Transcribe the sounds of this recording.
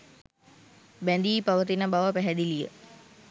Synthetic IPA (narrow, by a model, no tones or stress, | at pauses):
bænd̪iːpaʋət̪inəbaʋəpæɦɛd̪ilijə